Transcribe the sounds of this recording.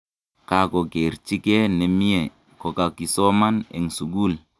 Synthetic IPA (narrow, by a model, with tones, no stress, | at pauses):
ka˨ko˨ɡe˨ɾt͡ʃi˦ke˦ne˨mi˦je˨ | ko˨ka˨ki˨sɔ˦ma˦nḛ˨ŋsu˨ɡu˦l